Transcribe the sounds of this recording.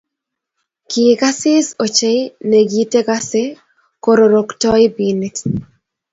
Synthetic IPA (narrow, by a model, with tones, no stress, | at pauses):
kɪka˦sɪ˦so˨t͡ʃe˦jne˨ɡi˦te˦ka˦se˦ | ko˦ɾo˨ɾo˨ktɔ˦ɪ˦bi˨ni˦t